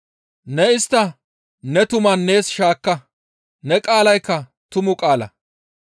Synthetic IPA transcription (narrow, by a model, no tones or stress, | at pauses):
nɛɪst̪ːɐ | nɛt̪ʊmɐnːe̞ːsʃaːkːɐ | nɛkʼaːlɐjkːɐ | t̪ʊmʊkʼaːlɐ̰